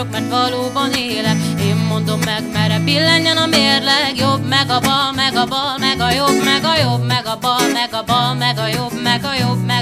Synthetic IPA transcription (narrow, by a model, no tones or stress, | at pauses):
bmɛrt̪vɒloːbɒneːlɛkeːmːo̞nd̪o̞mːɛɡmɛɾɛpilːɛɲːɛnɒmeːrlɛɡjobmɛɡɒbɒlmɛɡɒbɒlmɛɡɒjobmɛɡɒjobmɛɡɒbɒlmɛɡɒbɒlmɛɡɒjo̞bmɛɡɒjo̞bmɛ